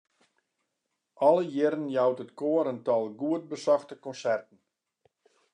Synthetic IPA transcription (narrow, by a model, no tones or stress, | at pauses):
ɔləjɪɾənjawtətkoəɾəntɔlˠɡuət̚bəsɔxtəkɔnsɛrtən̩